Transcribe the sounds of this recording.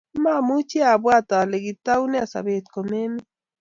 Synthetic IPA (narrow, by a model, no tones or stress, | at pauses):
mamut͡ʃiabwat̪aleɡɪt̪awneasa̰bet̪komemɪ